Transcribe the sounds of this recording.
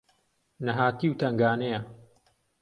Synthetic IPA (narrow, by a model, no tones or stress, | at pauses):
nɐɦaːt̪iːwt̪ɐŋɡaːnejɐ